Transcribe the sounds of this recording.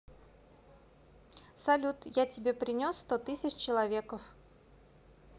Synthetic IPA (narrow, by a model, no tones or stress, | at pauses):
sɐlʲut̪jatʲɪbʲe̞pɾʲɪnʲosːt̪ot̪ɨsʲɪt͡ɕt͡ɕɪlˠɐvʲe̞kəf